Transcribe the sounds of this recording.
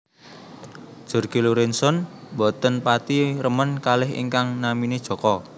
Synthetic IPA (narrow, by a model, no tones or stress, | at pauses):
ʒ̥ɔ̤rɡ̥i̤luɾɛnsɔnbɔt̪ənpat̪irəmənkalɪɦḭŋkaŋnamined̥ʒ̥ɔ̤kɔ